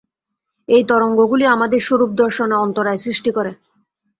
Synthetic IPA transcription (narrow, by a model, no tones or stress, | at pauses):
ejt̪ɔɾoŋɡoɡuliamad̪eɾʃoɾup̚d̪ɔɾʃoneɔnt̪oɾaesɾiʃʈikɔɾe